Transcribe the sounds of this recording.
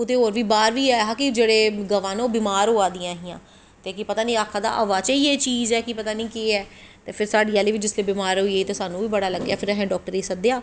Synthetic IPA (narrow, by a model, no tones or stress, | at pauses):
ʊt̪eːɦoːɾʋiːbaːɾʋiːɛɦãːkɪd͡ʒeːɽeːɡəʋãːnoːbɪmaːɾɦoːaːd̪ɪjãːɦɪjãː | t̪eːkɪpət̪aːnĩːaːkʰːãːd̪a̰ːʔəʋaːt͡ʃeiːeːt͡ʃiːzɛːkɪpət̪aːnĩːkiːɛː | t̪eːpʰɪɾsaːɖiːaːliːʋɪt͡ʃd͡ʒɪsleːbɪmaːɾɦoieiːt̪eːsaːnũːʋiːbəɽaːləɡːja̰ːpʰɪɾɛɦɛ̃ːɖɔːk̚ʈəɾiːsəd̪ejaː